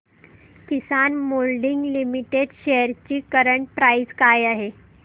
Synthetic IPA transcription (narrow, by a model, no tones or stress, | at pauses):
kisanmolɖiŋɡlimiʈeɖɕejəɾt͡ɕiːkəɾəɳʈ̚pɾaid͡zkajaɦe